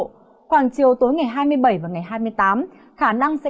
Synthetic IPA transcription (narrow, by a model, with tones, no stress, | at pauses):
xwaː˧˩ŋt͡ɕi˨˩əwt̪o˨˦jŋa˨˩jɦaː˧jmɨ˧əjɓə˧˩jvaː˨˩ŋa˨˩jɦaː˧jmɨ˧əjt̪aː˨˦m | xaː˧˩na˧ŋsɛ̰˧˥